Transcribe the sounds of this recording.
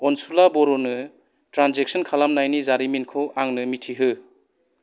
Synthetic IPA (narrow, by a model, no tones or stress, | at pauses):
ɔnsulabɔɾɔnɯ | tɾanzek̚sɔnkʰalamnajnizaɾiminkʰɔwʔaŋnɯmitʰiɦɯ